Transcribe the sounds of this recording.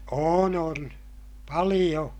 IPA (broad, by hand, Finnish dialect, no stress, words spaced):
oːn on pɑlij̆o